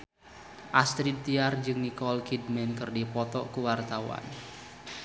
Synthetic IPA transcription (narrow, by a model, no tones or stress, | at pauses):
ʔast̪ɾid̚t̪iard͡ʒɨŋnikɔlkidmɛnkɨrdipɔt̪ɔkuwart̪awa̰n